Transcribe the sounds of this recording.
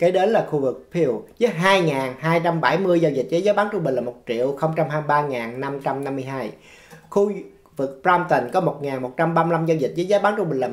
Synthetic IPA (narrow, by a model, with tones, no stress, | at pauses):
ka˨˦ɗe˨˦nlaː˨˩xu˧vɨ˨˩k̚pʰi˧wzɨː˨˦jɦaː˧jŋaː˨˩nhaː˧jt͡ɕa˧mɓa˧˩jmɨ˧əjzaː˧wzi˨˩t̟̚zə˨˦jzaː˨˦jɓaː˨˦ŋt͡ɕʊ˧ŋ͡mɓï˨˩ŋ̟laː˨˩mo˨˩t̚t͡ɕḭ˧˨əwxə˧wŋ͡mt͡ɕa˧mɦaː˧mjɓaː˧ŋaː˨˩nna˧mt͡ɕa˧mna˧mːɨ˧əjɦaː˧j | xu˧ | vɨ˨˩k̚pɹa˧wmt̪ə˨˩ŋ̟kɔ˨˦mo˨˩t̚ŋaː˨˩nmo˨˩t̚t͡ɕa˧mɓaː˧m˧la˧mzaː˧wzi˨˩t̚zə˨˦jzaː˨˦jɓaː˨˦ŋt͡ɕʊ˧ŋ͡mï̟˨˩laː˨˩